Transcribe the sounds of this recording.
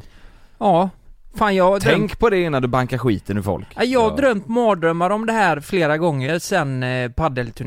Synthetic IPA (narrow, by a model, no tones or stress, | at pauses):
ɑːfaːnjɑd̪ʰɛŋkpʰɔd̪ɛɪnːand̪ɵbaŋkaɾɧiːt̪ənɪfɔ̰lkajɑːhad̪ɾœmt̪mɑːd̪ɾœmːaɾɔmd̪ɛhæːɾfleːɾaɡɔŋːəɾsɛnpʰad̪ɛlt̪ʰɵɳ